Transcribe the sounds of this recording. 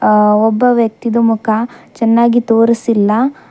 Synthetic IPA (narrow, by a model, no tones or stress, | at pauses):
ɔbːɐʋjɐk̚t̪id̪ɐmukʰɐt͡ʃɛnːaːɡit̪oːɾisilːɐ